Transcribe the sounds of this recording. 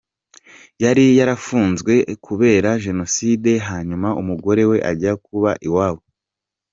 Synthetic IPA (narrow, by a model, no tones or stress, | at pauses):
jaɾijaɾafuːnzɡwe̞kʰuβe̞ːɾaʒe̞no̞siːde̞ɦaːɲumaʔumuɡo̞ɾe̞we̞ʔa̰ɟiakuβaʔiwaːwo